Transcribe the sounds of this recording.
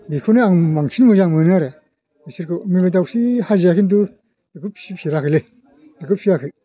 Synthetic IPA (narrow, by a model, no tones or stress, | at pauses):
bikʰɯneaŋmaŋsinmɯzaŋmɯnaɾe | misiɾkʰɯmibet̬awsihazejakʰind̬u | dɯkɯp̚sipʰiɾakʰɯle | dɯkɯp̚pʰiɾakʰɯj